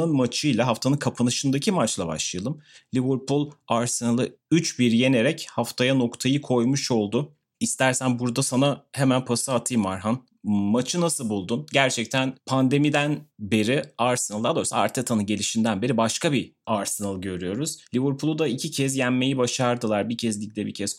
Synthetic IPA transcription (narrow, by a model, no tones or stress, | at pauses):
nɯnmat͡ʃʰɯjlˠaɦaft̪ʰanɯnkʰapʰanɯʃɯnd̪acʰimat͡ʃlˠaba̰ʃlˠɯjalˠɯmlʲivɯɾpʰulˠaɾsenalˠɯ | yt͡ʃbiɾje̞ne̞ɾɛchaft̪ʰajano̞kt̪ʰajɯkʰo̞jmuʃo̞lˠd̪ʊ | ist̪ʰæɾsænbuɾd̪asanahemænpʰasaat̪ʰɯjmaɾɦan | mat͡ʃʰɯnasɯlˠbulˠd̪unɟæɾt͡ʃʰɛc̚t̪ʰænpʰand̪e̞mid̪ænbe̞ɾiaɾsenalˠalˠojsaa̰ɾt̪ʰet̪ʰanɯnɟe̞lʲiʃind̪ænbe̞ɾibaʃkabiaɾsenalˠɟø̞ɾyjo̞ɾuz̥lʲivɯɾpʰulˠud̪aicʰicʰɛzjæmːe̞jibaʃaɾd̪ɯlˠaɾbicʰɛzlʲic̚d̪ɛbicʰɛz̥